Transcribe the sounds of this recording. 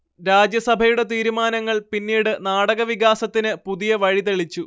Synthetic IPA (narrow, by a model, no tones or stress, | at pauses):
ɾaːd͡ʑjɐsɐbʱɐjuɽe̞t̪iːɾumaːnɐŋːɐɭpinːiːɽɨnaːɽɐɣɐʋiɣaːsɐt̪ːinɨpuðijɐʋɐɻit̪eɭit͡ɕːu